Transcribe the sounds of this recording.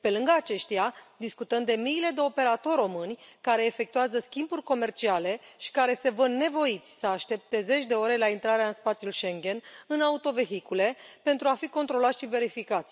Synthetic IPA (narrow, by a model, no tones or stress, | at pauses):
pe̞lɨŋɡəat͡ʃe̞ʃt̪ijad̪iskut̪əmd̪e̞miːle̞d̪e̞o̞pe̞ɾat̪o̞rʲo̞mɨnʲkaɾe̞ːfe̞k̚t̪uazəskʲimburʲko̞me̞rt͡ʃiale̞ʃi̥kaɾe̞se̞vənːe̞vo̞it̪sʲsəaʃt̪e̞p̚t̪e̞ze̞t͡ʃʲd̪e̞o̞ɾe̞laint̪ɾaɾeaɨnspat̪sʲjulʃe̞ŋɡʲe̞nɨnaut̪o̞ve̞ɦikule̞pe̞nt̪ɾuafiko̞nt̪ɾo̞lat̪sʃive̞ɾifikat̪sʲ